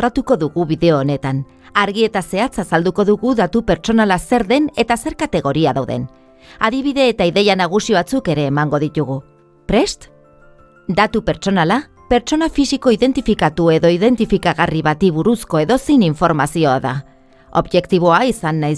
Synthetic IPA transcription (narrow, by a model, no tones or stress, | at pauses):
ɾat̪uko̞ðuɣuβiðe̞o̞ːne̞t̪an | aɾɣie̞t̪ase̞at͡sasald̪uko̞ðuɣuðat̪upe̞ɾt͡so̞nalase̞ɾðe̞ne̞t̪ase̞ɾkat̪e̞ɣ̞o̞ɾiaðawðe̞̰n | aðiβ̞iðe̞ːt̪aiðe̞janaɣ̞usioβat͡suke̞ɾe̞ːmaŋɡo̞ðit̪uɣ̞u | pɾe̞st̪ | d̪at̪upe̞ɾt͡so̞nala | pe̞ɾt͡ʃo̞nafisiko̞iðe̞nt̪ifikat̪ue̞ðo̞iðe̞nt̪ifikaɣariβat̪iβ̞uɾusko̞e̞ðo̞sejniɱfo̞ɾmasio̞aða | o̞̰βʝe̞kt̪iβ̞o̞aisanːaj